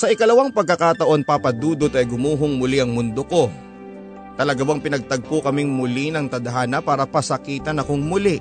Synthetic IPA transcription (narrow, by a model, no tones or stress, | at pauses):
sɐʔɪkɐlɐwɐŋpɐɡ̚kɐkat̪ɐʔo̞npapɐd̪uːd̪ot̪ɐjɡʊmuːɦoŋmʊliʔɐŋmʊnd̪oko̞ | t̪ɐlɐɡabɐŋpɪnɐɡ̚t̪ɐɡ̚pokɐmɪŋmʊlinɐŋt̪ɐd̪ɐɦaːnɐpaːɾɐpɐsɐkiːt̪ɐnɐkoŋmʊli